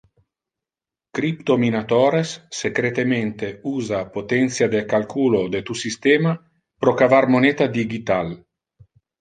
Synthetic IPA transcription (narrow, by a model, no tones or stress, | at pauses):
kɾipt̪ominat̪ɔːɾesːekɾet̪ement̪euːzapot̪ɛnt̪sjad̪ekalkuːlod̪et̪usist̪ɛːma | pɾokavarmonet̪ad̪iɡit̪al